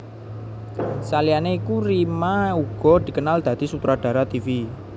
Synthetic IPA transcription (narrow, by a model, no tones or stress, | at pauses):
salianeikurimauɡ̥ɔ̤d̪̥i̤kənald̪̥ä̤d̪̥i̤sut̪ɾaɖ̥a̤ɾat̪ifi